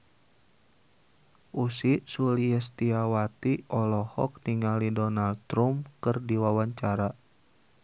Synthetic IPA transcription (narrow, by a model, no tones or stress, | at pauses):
ʔusiʔsuliɛst̪iawat̪iʔɔlɔhɔk̚niŋalidɔnald̚t̪ɾumkɨrdiwawaɲt͡ʃaɾa